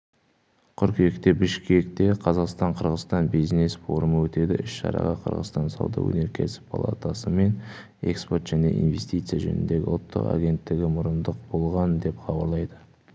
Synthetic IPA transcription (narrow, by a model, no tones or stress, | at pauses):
qʰʏɾkʲʰiekt̪e̞bɪʃkʲe̞k̚t̪e̞qʰɑzɑqst̪ɑɴqʰəɾʁəst̪ɑnbijzne̞sfo̞ɾʊməwɵt̪e̞d̪ɪʔʏʃʃɑ̰ɾɑ̰ʁɑqʰə̰ɾʁə̰st̪ɑnsɑ̰wd̪ɑ̰wɵ̰ne̞ɾkʲʰḛsɪ̥pʰa̰lˠa̰t̪asəme̞n | eksport̪ʒ̥æne̞̰ʔḭnve̞st̪ijt̪sɨjaʒɵ̰nɪnd̪e̞ɡʲɪ̰ʊlˠt̪ʰːə̰qa̰ɡʲe̞nt̪ːɪɡʲɪmʊɾənd̪əq̚bo̞lˠʁɑnd̪e̞pχɑbɑɾlˠɑjd̪ə